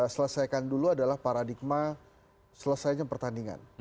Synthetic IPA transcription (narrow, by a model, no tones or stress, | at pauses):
sələsajkanduluadalahpaɾadik̚ma | sələsajɲapərt̪andiŋa̰n